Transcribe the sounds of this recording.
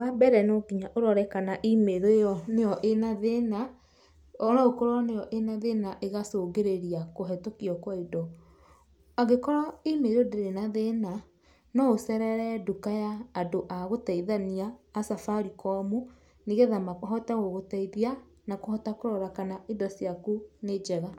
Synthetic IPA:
wabɛɾɛnoɡiɲaʔoɾɔɾɛkanaʔimeɾoɔneɔʔenaðena | ɔɾaɣokoɾɔnejɔʔenaðenaʔeɣasoɡeɾeɾiakoɦɛtokiɔkwaidɔ | aɣekɔɾɔimeɾodeɾenaðena | nɔosɛɾɛɾɛdukajaːdoʔaɣotaiðaniaːsafaɾikɔmu | niɣɛðamakɔɦɔtaɣoɣotaiðia | nakohɔtakoɾɔɾakanaidɔsiakuned͡ʒɛɣa

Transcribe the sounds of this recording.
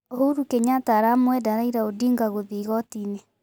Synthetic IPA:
ohoɾukeɲataːɾamwɛdaɾaiɾaodiŋɡaɣoðiːɣɔtine

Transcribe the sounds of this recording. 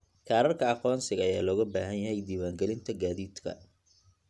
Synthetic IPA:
kʰaːɾɐrkʰɐɑqɔːnsɪɣɐjaːlɔːɣɐbaːɦɐnjɐɦɛjd̪iːwaːŋɡɛlɪnt̪ʰɐɡaːðiːd̪kʰɐ̰

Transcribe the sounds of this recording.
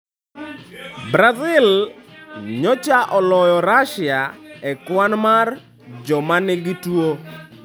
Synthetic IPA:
bɾazɪl | ɲɔt͡ʃaʔɔlɔjɔɾaʃɪaɛkwanmar | d͡ʒɔmanɪɡɪtwo

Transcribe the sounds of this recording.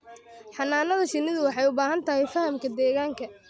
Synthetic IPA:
ħɑnːaːnɐðɐʃɪnɪðʊwɑħɑjʊbaːɦɐnt̪ʰɐɦɛjfɐhɐmkʰɐd̪ɛːɣaːŋkʰɐ

